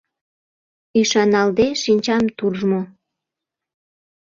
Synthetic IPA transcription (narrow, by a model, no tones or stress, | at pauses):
iʃɑnɑld̪eʃinʲt͡ɕɑmt̪uʒmo